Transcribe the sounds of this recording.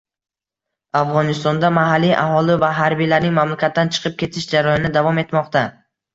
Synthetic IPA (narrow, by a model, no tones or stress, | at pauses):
afʁɒnɪst̪ɒnd̪amaɦalːijʔa̰ɦɒlɪvaɦaɾbijlaɾnɪŋmamlakʲat̪ːant͡ʃʰɨ̥qʰɨp̚kʲʰe̞t̪ʰɪʃd͡ʒaɾajnɪd̪avɒme̞t̪mɒqt̪a